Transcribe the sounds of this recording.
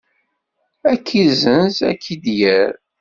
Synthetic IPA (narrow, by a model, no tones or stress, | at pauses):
ækʰːizənzæ̰kʰːid̪jæɾ